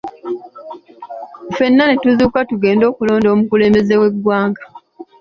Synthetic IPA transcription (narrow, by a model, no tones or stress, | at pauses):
fe̞nːanetuzuːkatuɡe̞ːndo̞ːkulo̞ːndo̞ːmukule̞ːmbe̞zewe̞ɡwaːŋɡḁ